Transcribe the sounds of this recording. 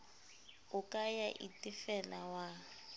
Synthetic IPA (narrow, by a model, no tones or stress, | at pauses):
ʊkʼajaʔḭtʼɪfɛlawa